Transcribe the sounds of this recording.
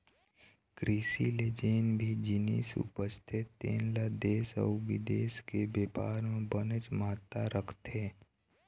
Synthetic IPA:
kɾiːsiled͡ʒeːnbʱid͡ʒɪnḭsʊ̰pəst̪ʰɪt̪ːḛːnlad̪eːsɔ̰ːʋɪd̪eːskebeːpaːɾmẽbənət͡ʃmaːt̪ːaɾəkʰt̪eː

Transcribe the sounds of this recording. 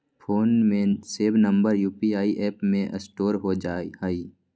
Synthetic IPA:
pʰoːnmẽseːbnə̃mbəɾjuːpiaːiʔɛːpmẽʔəsʈoːɾɦod͡ʒaːihəi

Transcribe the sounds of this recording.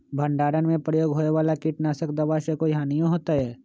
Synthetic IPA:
bʱə̃ɳɖaːɾənmẽpɾəjoːɡɦoːeʋaːlakiʈnaːsəkd̪ɐʋaʃekojɦãːnijõɦoːt̪aɦɛː

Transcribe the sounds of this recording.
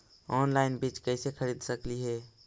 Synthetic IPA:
ɔːnlaɪnbit͡ʃkəɪsekʰəɾid̪səkliɦɛː

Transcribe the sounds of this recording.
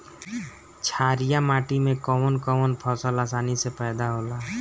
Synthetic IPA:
t͡ʃʰaːɾɪjamaːʈimẽkɔːmənkɔmənpʰɔːsəlasaːnisepɛːd̪aɦoːlaː

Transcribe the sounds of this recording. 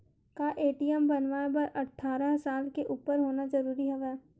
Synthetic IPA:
kaʔeːʈiəmbɐnʋaebɐɾʔɐʈʰːaːɾəɦsaːlkeʔuːpəɾɦoːnazɐɾuːɾiɦɛʋɛː

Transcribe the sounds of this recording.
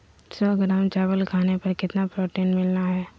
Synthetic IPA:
sɔːɡɾaːmt͡ʃaːʋəlkʰaːnepɐɾkɪt̪napɾoːʈeːnmɪlnaɦɛː

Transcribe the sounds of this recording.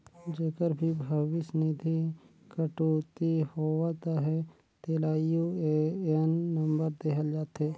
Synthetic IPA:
d͡ʒeːkəɾbʱibʱəʋɪsnɪd̪ʱi | kəʈoːt̪ihoːʋat̪aɦɛ | t̪eːlaːjueɛnːə̃mbəɾd̪eːɦʰəld͡ʒaːt̪eː

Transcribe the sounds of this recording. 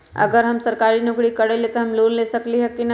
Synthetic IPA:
ɐ̰ɡəɾɦɐmsɐɾkaːɾinʊkɽikɐɽelet̪oɦɐmloːnlesəkliɦɛkːinɐ

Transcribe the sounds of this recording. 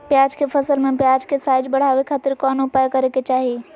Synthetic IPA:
pjaːd͡ʒkʰepʰɐsəlmẽpjaːd͡ʒkʰesaːɪd͡ʒbɐɽ̤aːʋekʰaːt̪ɪɾkɔːnʊpaːjkɐɾeket͡ʃaːɦi

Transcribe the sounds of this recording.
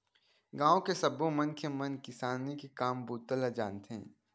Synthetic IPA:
ɡãːõkesɐbõmɐnkemɐnkɪsaːnːikekaːmbuːt̪ːəlad͡ʒaːnt̪eɦɛ̰̃ː

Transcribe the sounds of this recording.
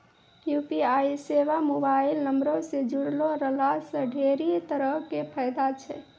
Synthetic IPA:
jupiaiseʋamobailnəmɾõsed͡ʒuɽloɾəlasəɖʱeɾit̪əɾəɦkepʰəjd̪at͡ʃʰɛ

